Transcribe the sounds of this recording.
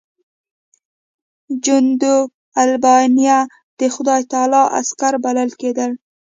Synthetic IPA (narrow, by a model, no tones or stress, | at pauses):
d͡ʒʊnd̪u | albɑnija | d̪̥əxʊd̪ɑjt̪ɑlɑʔa̰skaɾbalalked̪əl